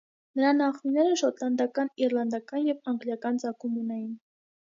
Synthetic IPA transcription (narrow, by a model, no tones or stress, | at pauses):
nəɾɑnɑχminːɛɾəʃɔt̪lɑnd̪ɑkɑniɾlɑnd̪ɑkɑnjɛvɑŋɡljɑkɑnt͡sɑkumunɛjin